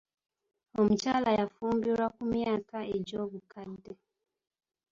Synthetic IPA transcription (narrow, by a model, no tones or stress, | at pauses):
ɔm̩t͡ʃalajafumbiɾakumiakaed͡ʒɔbukadɛ